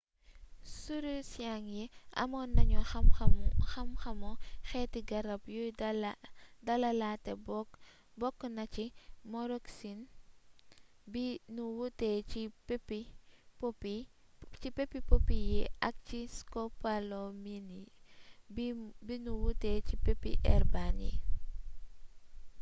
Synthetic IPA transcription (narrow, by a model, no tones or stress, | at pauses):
suɾusjaŋjɛʔɐ̰mɔnɐɲɔ | xɐmxɐmɔxɛtiɡɐɾɐp̚juj | dɐlɐlaːtːɛ | bɔkːnɐcimɔɾɔksin | binuwutɛcippːip | cipepːipopːijɛʔɐk̚ciskɔpalomini | bbinuwutːɛcipepːḭʔɛrbanḭ